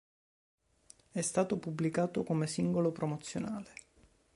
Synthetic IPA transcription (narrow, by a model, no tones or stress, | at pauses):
ɛst̪aːt̪opubːlikaːt̪okomesiŋɡolopɾomot̪sːjonaːle